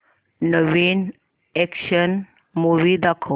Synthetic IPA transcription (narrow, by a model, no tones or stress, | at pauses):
nəʋin | ɛkʃən | muʋid̪akʰo